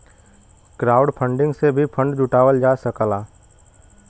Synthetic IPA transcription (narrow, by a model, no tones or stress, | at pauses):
kɾaːʊɖpʰə̃ɳɖɪ̃ŋɡsebʱipʰə̃ɳɖd͡ʒʊʈaːwəld͡ʒaːsəkəlaː